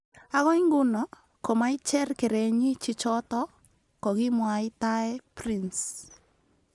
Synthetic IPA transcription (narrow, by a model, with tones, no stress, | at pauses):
a˦ɣɔ˦iŋɡʊ˦nɔ˨ | kɔ˨ma˦it͡ʃɛ˦rke˨ɾe˨ɲɪ˦t͡ʃɪ˦t͡ʃɔ˦tɔ˦ | kɔ˨ɣɪ˦mwa˨ɪ˦taɛprins